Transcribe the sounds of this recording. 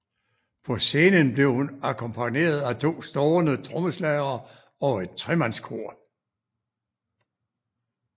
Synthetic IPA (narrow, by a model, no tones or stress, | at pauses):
pʰɒ̽se̝ːnənb̥le̝ʊhunækʰɒ̽mpʰæne̝̰ːɐð̞ˠæt͡sʰo̝̰ːsd̥ɒːnət͡sʰʁɔməslæɪɐ | ɒ̽e̝d̥̚t͡sʰʁɛmænskʰo̝ɐ̰